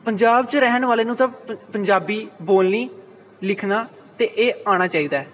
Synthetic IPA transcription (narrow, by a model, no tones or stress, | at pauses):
pəɲd͡ʒaːbt͡ʃɾɛɦənʋaːleːnũːt̪ãːpəɲd͡ʒaːbiːboːlniː | lɪkʰnaː | t̪eːʔeːaːɽ̃aːt͡ʃaːiːd̪aːɛː